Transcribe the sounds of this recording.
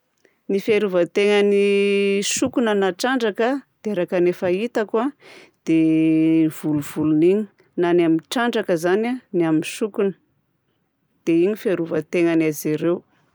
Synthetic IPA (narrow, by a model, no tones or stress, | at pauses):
nifeɾuvət̪eŋəniʃukunənaʈ͡ʂaɳɖ͡ʐakəd̪̥eeɾakənefait̪akuad̪̥e | v̥uluv̥uluniɲi̥ | nanamiʈ͡ʂaɳɖ͡ʐakəzananiamiʃukunə̥ | d̪̥eiɲifeɾuvət̪eŋanaziɾew